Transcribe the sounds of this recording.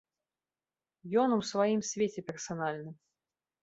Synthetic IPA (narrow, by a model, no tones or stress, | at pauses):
jɔnuwsvajimsʲvʲet͡sʲɛpʲɛrsanalʲnɨm